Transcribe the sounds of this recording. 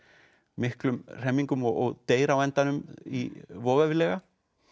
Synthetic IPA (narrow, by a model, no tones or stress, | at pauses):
mɪhklʏmr̥ɛmːiŋkʏmɔɣɔɣt̪eːjɾawɛnt̪anʏmḭvɔːvavlɛːɣa